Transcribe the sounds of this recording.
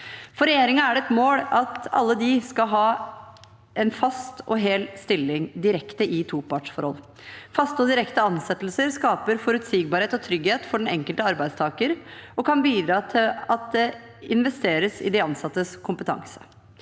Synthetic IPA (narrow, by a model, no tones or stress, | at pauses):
fɔɾɛjeːɾɪŋɑæɖɛɛt̪moːlɑt̪ɑ̰lːəd̪ɪskɑɦɑː | ʔɛnfɑst̪ɔɦeːlst̪ɪlːɪŋd̪ɪɾɛkt̪əʔɪt̪ʰuːpʰɑʈʂfɔɾhɔ̰lː | fɑst̪əɔd̪ɪɾɛkt̪əɑnsɛt̪ːlsəɾskɑːpəɾfɔɾʉt̪siːɡ̚bɑɾheːt̪ɔt̪ʰɾʏɡheːt̪fɔɖɛnɛŋkəlt̪əɑɾbæɪst̪ʰɑːkəɾɔkʰɑnbiːd̪ɾɑːt̪ʰɪlɑt̪̚d̪ɛ | ɪnʋɛst̪eːɾəsɪ̰d̪ɛɑnsɑt̪ːəskʰʊmpət̪ʰɑ̰ŋsə̥